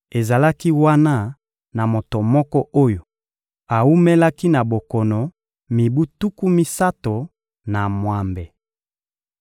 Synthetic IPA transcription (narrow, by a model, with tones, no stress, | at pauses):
e˨za˨la˦ki˦wa˦na˦ | na˨mo˨to˨mɔ˦kɔ˦ʔo˦jo˨ | a˨u˦me˦la˦ki˦na˨bo˨kɔ˨nɔ˨ | mi˨bu˦tu˦ku˦mi˦sa˦to˨ | na˨mwa˨mbe˨